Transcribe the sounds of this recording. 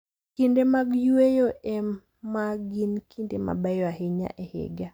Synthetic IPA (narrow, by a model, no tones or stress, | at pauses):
kindemaɡjuejoe | maɡinkʰindema̰bajɔahɪɲa̰ʔehɪ̰ɡa